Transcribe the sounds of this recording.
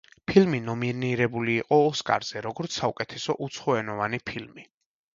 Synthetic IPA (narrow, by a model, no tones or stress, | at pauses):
pʰilminɔminiɾɛbuliːqʼɔːskʼa̰ɾz̥ɛɾɔɡɔɾt̪ssaukʼɛt̪ʰɛsɔʔut̪sʰχɔɛnɔvanipʰilmi